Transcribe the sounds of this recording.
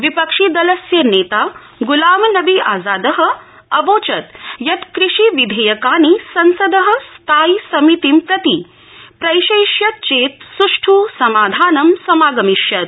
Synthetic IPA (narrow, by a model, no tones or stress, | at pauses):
ʋipɐkʂid̪ɐlɐsjɐneːt̪aː | ɡulaːmnɐbiaːzaːd̪ɐɦɐ̆ | ɐʋoːt͡ʃɐt̪jɐt̪kɾiʃiʋid̪ʱeːjɐkaːnisɐnsɐd̪ɐɦɐ̆st̪ʰaːjsɐmit̪impɾɐt̪i | pɾɐjʃejʃjɐt̪̚t͡ʃeːt̪̚suʂʈʰuːsɐmaːd̪ʱaːnɐmsɐmaːɡɐmiʃjɐt̪̚